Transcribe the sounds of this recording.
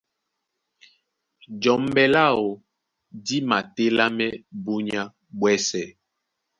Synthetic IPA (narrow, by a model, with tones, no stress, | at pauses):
d͡ʒɔ˨m˦bɛ˨la˦˨o˨ | di˦ma˨te˦la˦mɛ˦bo˦ɲa˦ | ɓwɛ˦sɛ˨